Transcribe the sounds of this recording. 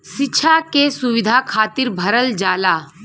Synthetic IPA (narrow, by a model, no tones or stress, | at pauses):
ʃɪtːʃʰakesuʋɪd̪ʱakʰaːt̪iɾbʱɐɾəld͡ʒaːlaː